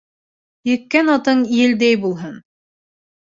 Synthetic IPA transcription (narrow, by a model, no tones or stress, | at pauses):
jɘ̆kːænɑt̪ɤɴijɘ̆ld̪æjbulˠɦɤn